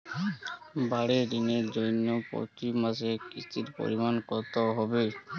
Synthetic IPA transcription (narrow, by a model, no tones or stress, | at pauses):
baɾɛdinɛzɔjnɔpɔ̰timas̬ɛkistʰitpo̰ɹimankɔɹt̪ɔɦɔbe